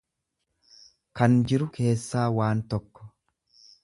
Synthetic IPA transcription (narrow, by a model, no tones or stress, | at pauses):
kɐnd͡ʒɪɾʊkʰe̞ːsːaːwaːnt̪ɔkːɔ̥